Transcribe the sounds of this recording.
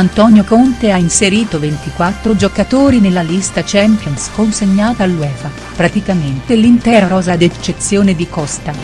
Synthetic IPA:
ant̪ɔnjokont̪eainseɾiːt̪ovent̪ikwat̪ːɾod͡ʒokat̪oːɾinelːalist̪at͡ʃɛmpjonskonseɲːaːt̪aːlːwɛːva | pɾat̪ikament̪elint̪ɛːɾaɾɔːzad̪et͡ʃːet̪sːjoːned̪ikɔst̪a

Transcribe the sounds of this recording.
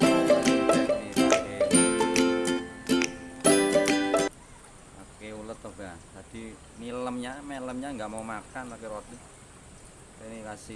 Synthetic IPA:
iake | akeulət̪ɔɡad͡ʒ̪ad̥i | niləmɲameləmɲaŋɡaʔmaumakanlakeɾɔt̪̚ɛ | inikasi

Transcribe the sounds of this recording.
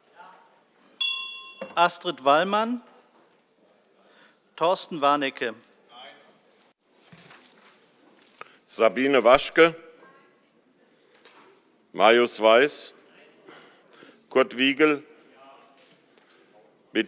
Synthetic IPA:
ʔastʁ̥ɛtv̥alman | tʰɔɐstn̩vaɐnɛkʰə | z̥abiːnəvaʃkə | mʔajosv̥aɪs | kʰʊɐtv̥iːɡl̩ | b̥ɪ

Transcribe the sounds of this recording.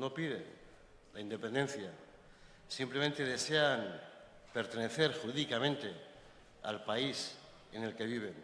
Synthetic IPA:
no̞piðe̞̰n | laind̪e̞pe̞nd̪ẽ̞nθja | simple̞mẽ̞nt̪e̞ðe̞se̞an | pe̞ɾt̪e̞ne̞θe̞ɾxuɾiðikamẽ̞nt̪e̞ | a̰lpais | ene̞lke̞β̞iβ̞e̞n

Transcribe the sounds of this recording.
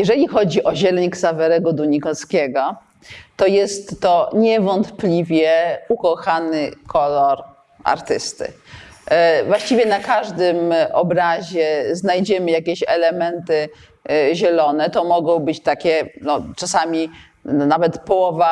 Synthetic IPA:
jɛʐɛlʲixɔd͡ʑiʔɔʑɛlɛɲiksavɛɾɛɡɔd̪uɲikɔskʲɛɡɔ | t̪ɔjɛst̪ːɔɲɛvɔnt̪plʲivʲjɛukɔxanɘkʰɔlɔɾ | a̰ɾt̪ɘst̪ɘ̰ | vwaɕt͡ɕivʲjɛnakaʐd̪ɘmɔbɾaʑɛznajd͡ʑɛmɘjakʲɛɕɛ̰lɛmɛnt̪ɘ | ʑɛlɔnɛt̪ɔmɔɡɔ̃w̃bɘt͡ɕt̪akʲɛnɔt͡ʂasamʲi | navɛt̪pɔwɔva

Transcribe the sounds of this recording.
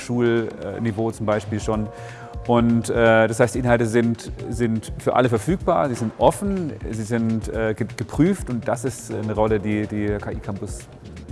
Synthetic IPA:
ʃuːlɛ̰nivoːt͡sʊmbaɪʃpiːlʃoːn | ʔʊntʔɛːd̥ashaɪstd̥iʔɪnhaltəzɪntz̥ɪntfyːɐʔa̰ləfɛɐfyːk̚b̥aːɐziːzɪntʔɔfn̩ziːzɪntʔɛːɡəɡ̥əpʁ̥yːftʊnt̚d̥asɪstnəʁɔlədiːdiːɐkʰaːʔiːkʰampʊs

